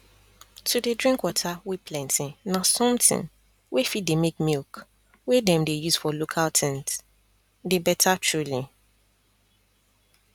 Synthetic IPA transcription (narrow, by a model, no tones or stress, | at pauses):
tʰudedɹĩŋkwɔtʰawipʰlɛ̃ntĩnasɔ̃mtɪ̰̃n | wefit̚demekmilk | wedɛ̃mdejuz̥fɔlokʰaltʰɛ̃nt | debɛtʰatʰɹuli